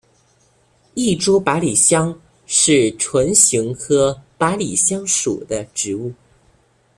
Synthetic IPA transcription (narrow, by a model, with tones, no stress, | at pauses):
i˥˩ʈ͡ʂu˥pa˧˥li˨˩ɕjɑ˥ŋ | ʂɻ̩˥˩ʈ͡ʂʰwə˧˥nɕi˧˥ŋxɤ˧˥pa˧˥li˨˩ɕjɑ˥ŋʂṵ˨˩d̪ə˦ʈ͡ʂɻ̩˧˥u˥˩